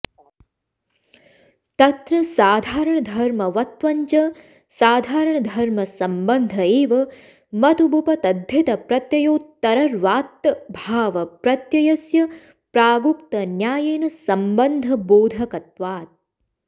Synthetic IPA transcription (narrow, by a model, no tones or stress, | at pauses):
t̪ɐt̪ɾɐsaːd̪ʱaːɾɐɳɐd̪ʱɐɾmɐʋɐt̪ʋɐɲt͡ʃɐ | saːd̪ʱaːɾɐɳɐd̪ʱɐɾmɐsɐmbɐnd̪ʱɐeːʋɐ | mɐt̪ubʱupɐt̪ɐd̪ʱjɐt̪ɐpɾɐt̪jɐjoːt̪ːɐɾɐɾʋaːt̪ːɐbʱaːʋɐpɾɐt̪jɐjɐsjɐ | pɾaːɡukt̪ɐnjaːjeːnɐsɐmbɐnd̪ʱɐboːd̪ʱɐkɐt̪̚ʋaːt̪̚